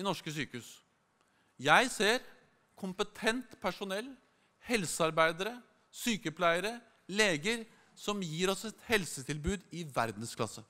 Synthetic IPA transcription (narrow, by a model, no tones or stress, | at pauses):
ɪnɔʂkəsyːkəʉːs | jæɪseːɾ | kʰʊmpət̪ʰɛnt̪pʰæʂʊnɛlː | hɛlsəɑɾbæɪd̪əɾə | syːkəpʰlæɪəɾə | leːɡəɾ | sɔmjiːɾɔsɛt̪hɛlsət̪ʰɪlbʉːd̪ɪʋæɾd̪n̩skʰlɑ̰sə